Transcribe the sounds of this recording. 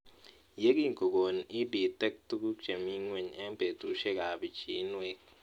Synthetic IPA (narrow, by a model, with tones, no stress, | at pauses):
je˦ki˦ŋ˨ko˨ɡo˨ni˦bi˨tɛ˦k̚tu˦ku˦t͡ʃe˨mi˦ŋwe˨ɲɛ˦be˨tu˨ʃe˦ka˨bi˨t͡ʃi˨˦nwe˦k